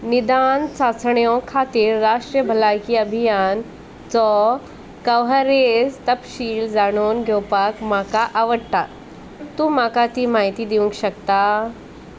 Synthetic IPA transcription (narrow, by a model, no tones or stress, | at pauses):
nid̪ant͡sat͡sɳjɔkʰat̪iːɾːaʂʈɾijəbʱəlajkiːəbʱijan | t͡sɔ | kəʋɦəɾed͡zt̪əpɕiːld͡zaɽ̃onɡʱɛwpakmakaʔaʋəɽt̪a | t̪ũːmakat̪iːmaɦit̪iːd̪iʋũŋkɕəkt̪a